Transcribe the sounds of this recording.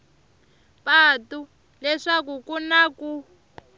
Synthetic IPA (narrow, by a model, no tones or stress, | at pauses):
patu | lɛʂak̬ukunaku